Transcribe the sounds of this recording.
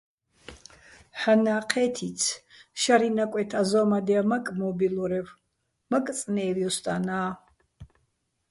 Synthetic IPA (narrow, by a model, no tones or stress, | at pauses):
ħanaːqʰɛt̪ʰit͡sʰʃaɾinakʷʼwɛt̪ʰazɔmad̪ɛamakʼmɔbiluɾɛv | makʼt͡sʼnɛːviɔst̪ʼanaː